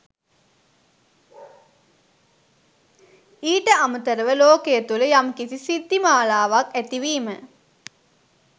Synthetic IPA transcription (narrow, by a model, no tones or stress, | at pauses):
iːʈəamət̪əɾəʋəloːkejət̪uləjamkisisid̪ːimaːlaːʋakæt̪iʋiːmə